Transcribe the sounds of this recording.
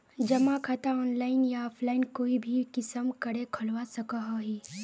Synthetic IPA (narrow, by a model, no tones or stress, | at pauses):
d͡ʒɐmakʰat̪aɔːnlaːɪnjaɔːpʰlaːɪnkoːibʱikɪsəmkɐɽekʰɐlwasɐkaɦaɦiː